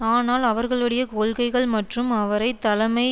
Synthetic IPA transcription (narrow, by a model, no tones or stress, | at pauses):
aːnaːlɐʋɐɾɣɐɭɐɽɪjɐkoːlɣɐɪɣɐɭmɐʈrɯmɐʋɐɾɐɪt̪ːɐlɐmɐɪ